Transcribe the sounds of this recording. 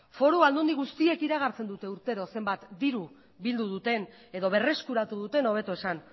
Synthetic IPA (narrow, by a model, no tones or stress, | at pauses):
fo̞ɾuald̪und̪iɣust̪ie̞kiɾaɣ̞aɾt͡se̞nd̪ut̪e̞uɾt̪e̞ɾo̞se̞mbat̪d̪iɾu | bild̪uð̞ut̪e̞ne̞ðoβ̞e̞re̞skuɾat̪uðut̪e̞no̞βe̞t̪oe̞san